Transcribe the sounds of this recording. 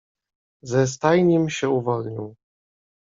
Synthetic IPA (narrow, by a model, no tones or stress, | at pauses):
zɛs̬t̪ajɲɛmɕɛuvɔlɲiw